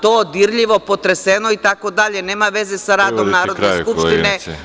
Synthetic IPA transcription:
t̪oːd̪iɾʎiʋo̞pot̪ɾesenoit̪ako̞d̪aʎe̞neːmaʋe̞zesaɾaːd̪omnaːɾod̪eskupʃt̪ine

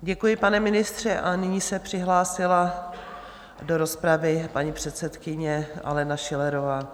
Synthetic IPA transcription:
ɟɛkujɪpanɛmɪnɪst̪r̝̥ɛʔanɪɲiːsɛpr̝̥ɪɦlaːsɪla | doɾo̞spɾavɪpaɲipr̝̥ɛt̪sɛt̪kɪɲɛʔa̰lɛnaʃɪlɛɾovaː

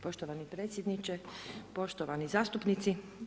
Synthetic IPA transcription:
po̞ʃt̪oʋanipɾe̞ːt̪sʲjed̪nit͡ʃepo̞ʃt̪oʋanizaːst̪upnit̪si

